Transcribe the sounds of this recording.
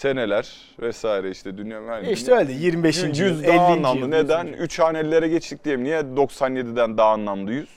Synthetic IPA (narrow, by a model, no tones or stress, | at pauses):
se̞ne̞lʲæɾ̥ | vɛsaːiɾɛiʃt̪ʰɛd̪ynjamaniʃt̪ɛølʲd̪ɛjiɾmibeʃjijyzd̪lanlˠamd̪ɯned̪ænyt͡ʃʰaːnɛlʲːe̞ɾɛɟɛt͡ʃt̪ʰic̚d̪ejmnijɛd̪o̞ksanje̞d̪id̪ænd̪aɦːnlˠamd̪ˠɯjyz̥